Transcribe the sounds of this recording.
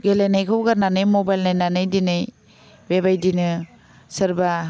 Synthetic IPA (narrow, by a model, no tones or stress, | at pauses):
ɡelejnajkʰawɡananɯjmobajlnajnanɯjdinɯj | beβajdinɯ | sɯɾba